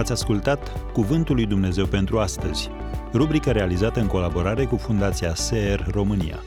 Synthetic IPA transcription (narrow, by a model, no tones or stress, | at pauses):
at̪sʲaskult̪at̪kuvɨnt̪ulːujd̪umne̞ze̞wpe̞nt̪ɾuast̪əz̥ʲ | rubɾikəɾe̞alizat̪əɨŋko̞labo̞ɾaɾe̞kufund̪at̪siaseerːo̞mɨnḭja̰